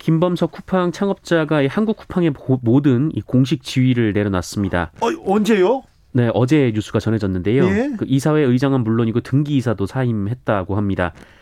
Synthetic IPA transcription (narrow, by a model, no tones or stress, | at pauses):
kimbʌmsʰʌkʰupʰaŋt͡ɕʰaŋʌp̚t͡ɕ͈aɡaehanɡukʰu̥pʰaŋe̞modɯnḭkoŋɕ̬ʰik̚t͡ɕiɥiɾɯɭne̞ɾjʌnas͈ɯmɲida̰ʌnd͡ʑejo | ne̞ʔʌd͡ʑe̞ɲusʰuɡat͡ɕʌnɦe̞d͡ʑʌnːɯnde̞jokɯʔisʰawe̞ɯid͡ʑaŋɯnmuɭːoɲiɡotɯŋɡiːsʰadosʰaimhe̞t̚t͈aɡohamɲida̰